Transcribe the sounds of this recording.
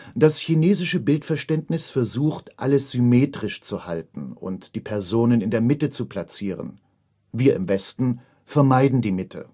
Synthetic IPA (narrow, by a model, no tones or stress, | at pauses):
d̥asçineːzɪʃəbɪltfɛɐʃtɛntnɪsfɛɐzuːxtʔa̰ləsz̥ymeːtʁ̥ɪʃt͡suhaltn̩ʊ̰ntd̥iːpʰɛɐzoːnənɪndeːɐmɪtət͡supʰl̥at͡siːʁə̰n | viːɐɪ̰mvɛstn̩ | fɛɐmaɪdn̩diːmɪtʰə̰